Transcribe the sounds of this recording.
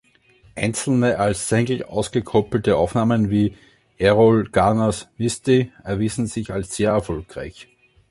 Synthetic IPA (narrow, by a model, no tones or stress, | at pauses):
ʔæɪ̃nt͡sl̩nəʔalsːɛŋɡl̩a̰ʊsɡ̥əkʰɔpl̩təʔaʊfnaːmənviː | ʔɛʁolɡ̥anasmɪstiɛɐviːzn̩zɪçalsz̥eːɐɛɐfɔlkʁa̰ɪç